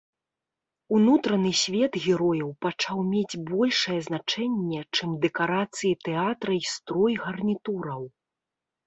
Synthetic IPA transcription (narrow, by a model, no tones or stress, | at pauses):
unut̪ɾɐnɨsʲvʲɛd̪ɣʲɛɾɔjɐwpat͡ʂawmʲed͡zʲbɔlʲʂɐjɛznat͡ʂɛnʲːɛt͡ʂɨmd̪ɛkaɾat̪sɨjit̪ɛat̪ɾɐist̪ɾɔjɣɐrnʲit̪uɾɐw